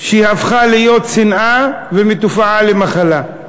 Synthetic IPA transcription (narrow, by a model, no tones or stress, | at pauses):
ʃeihafχalijo̞t̪sinʔavemet̪ufaʕalemaχala